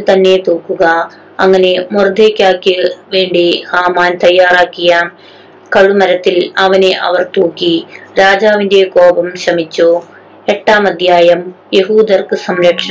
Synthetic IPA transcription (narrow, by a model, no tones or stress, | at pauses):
t̪ɐnːe̞t̪oːkːuɣɐ | ɐŋːɐne̞mord̪ʱeːkʲːaːkːijɐʋe̞ːɳɖihaːmaːnt̪ɐjːaːraːkːijɐ | kɐɻumɐɾɐt̪ːilɐʋɐneʔɐʋɐrt̪oːkːiɾaːd͡ʑaːʋinde̞koːbɐmɕrɐmit͡ɕːoː | e̞ʈːaːmɐd̪ʱjaːjɐmje̞ɦuːd̪ʱɐrkɨsɐmɾɐkʂɐ